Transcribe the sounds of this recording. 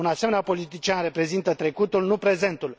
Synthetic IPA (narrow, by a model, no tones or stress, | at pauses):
unasemeneapo̞lit̪it͡ʃianre̞pɾe̞zint̪ət̪ɾe̞kut̪ulnupɾe̞ze̞nt̪ul